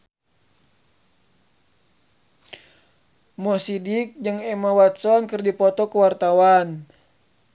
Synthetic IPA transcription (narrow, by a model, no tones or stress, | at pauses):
mɔsidik̚d͡ʒəŋɛmawat̪̚sɔnkərdipɔt̪ɔkəwart̪awan